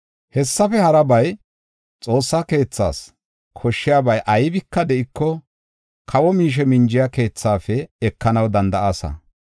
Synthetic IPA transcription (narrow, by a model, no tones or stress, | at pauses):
hɛsːɐfɛhɐɾɐbɐj | t͡sʼo̞ːsːake̞ːt͡sːa̰ːs | kʰɔʃːɪjaːbɐjʔɐjbɪkːɐd̪ɛʔɪkːɔ | kʰɐwɔmiːʃ̬ɛmɪnd͡ʒɪjake̞ːt͡sːaːfɛɛkːɐnɐwd̪ɐnd̪ɐʔaːsɐ̰